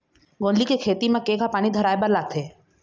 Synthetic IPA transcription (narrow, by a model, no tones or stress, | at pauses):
ɡõnlikekʰeːt̪imẽkeːkapaːɽ̃id̪ʱəɾaːebəɾlaːt̪ʰeː